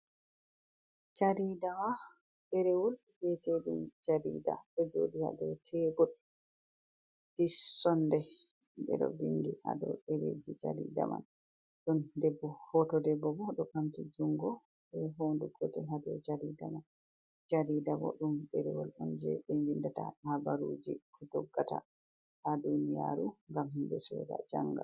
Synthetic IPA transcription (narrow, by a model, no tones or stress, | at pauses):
d͡ʒaɾidama | ɓɛɾɛwɔl | bɛteɗumd͡ʒadḭda̰ɓɛd͡ʒo̰ːdiha̰dɔtʰɛbɔɗ | d̥isɔndɛ | bɛ̰ɗɔ̰biŋɡiha̰dɔ̰ɗeɾḛd͡ʒid͡ʒa̰ɾḭda̰ma̰n | ɗɔndɛbːɔhɔtɔdɛbːɔbɔɗɔkamtid͡ʒuŋɡɔ | ɓɛɦonduɡɔtɛlhadɔd͡ʒaɾidaman | d͡ʒaɾidamɔ̰ɗumbɛɾɛwɔlɗɔnd͡ʒɛbɛwindataɗhabaɾud͡ʒḭkɔdɔɡːata̰ | ʔadunija̰ɾuŋɡamhimbɛsɔ̰da̰d͡ʒaŋɡa̰l